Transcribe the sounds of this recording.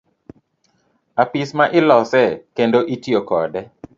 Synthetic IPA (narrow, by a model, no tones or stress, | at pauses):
apɪsmaʔɪlɔsɛkendoʔitjokɔ̰dɛ